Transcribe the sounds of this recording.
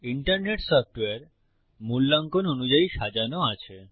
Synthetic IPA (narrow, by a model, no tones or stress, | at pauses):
iɳʈəɾneʈsɔfʈʋeɾ | mulːaŋkononud͡ʒaiʃad͡ʒanoat͡ʃʰe